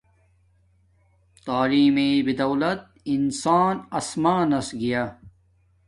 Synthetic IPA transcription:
t̪aːliːmeːbid̪ɐwlɐt̪̚ | insaːnɐsmaːnɐsɡijaː

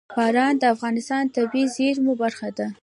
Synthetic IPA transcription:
bɑɾɑnd̪əafɣɑnɪst̪ɑnt̪abizeɾmobaɾxad̪a

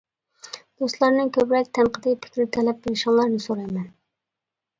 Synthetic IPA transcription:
d̪̥ost̪lˠɑɾnɨŋkʲʰøpɾɛk̚ʲt̪ʰɛnqʰəd̪ɨpʰɪ̥kʲɾɪt̪ʰɛlɛp̚belɪʃɪŋlˠɑɾnɨsoɾɑjmɛn

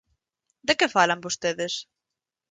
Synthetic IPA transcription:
d̪ekefalambost̪eðɪs

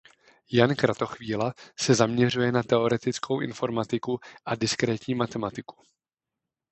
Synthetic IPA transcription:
jankɾat̪o̞xviːlasɛzamɲɛr̝ujɛnat̪ɛo̞ɾɛt̪ɪt͡skʰo̞wʔɪ̰nfo̞ɾmat̪ɪkuʔadɪskɾɛːt̪ɲiːmat̪ɛmat̪ɪku̥

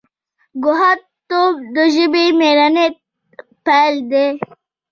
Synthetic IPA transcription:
ɡʊɦat̪ | t̪ːob̚d̪əʒɪbimeɾane | pald̪e

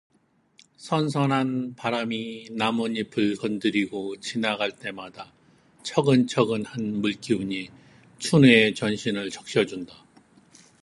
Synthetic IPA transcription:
sʰʌns̬ʰʌnɦanpaɾaminamuɲipʰɯɭkʌndɯɾiɡot͡ɕinaɡaɭt͈e̞mada | t͡ɕʰʌɡɯnt͡ɕʰʌɡɯnhanmuɭk͈iuɲi | t͡ɕʰuneet͡ɕʌnɕʰinɯɭt͡ɕʌk̚ɕ͈ʌd͡ʑunda

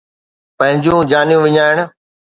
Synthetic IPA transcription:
pɐ̃ɦɪ̃ɲd͡ʑjũːd͡ʑaːnijũʋɪɲaːɪɽ̃̆

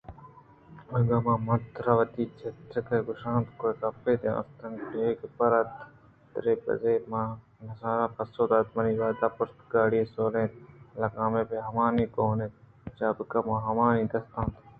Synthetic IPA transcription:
ɐɡaːmãːmɐt̪ɾɐʋɐt̪iːt͡ʃʰɐt̪ːɐkɐɡʊʃãːnt̪kokɐpːeːd̪ẽã̰st̪ɐŋɡeeːkpɐɾɐt̪ | t̪ɾeːbɐ̰zeːmã | nɐsaːɾaːpɐsoːd̪aːt̪mɐniʋaːd̪aːpʊɾt̪ɡaːɽiesoːlẽːt̪lɐkaːmẽːpeɦɐʋãːnĩːkoːne | t͡ʃaːbkɐmãːɦɐmãːnĩːd̪ɐst̪ãːnt̪

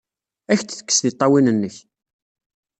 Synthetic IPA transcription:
æçt͡sːθə̥kːə̥sðit̪ˤːɑwinənːəç

